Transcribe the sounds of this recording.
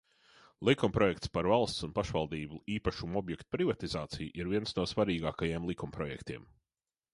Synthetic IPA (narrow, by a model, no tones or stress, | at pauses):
lˠikumpɾɔjɛk̚t̪spaɾvalˠst̪sunpaʃvalˠd̪iːbuiːpaʃumɔbjɛkt̪u̥pɾivat̪izaːt̪sijʔiɾviɛnsnuɔsvaɾiːɡaːkajeɛmlˠikumpɾɔjɛ̰kt̪iɛ̰m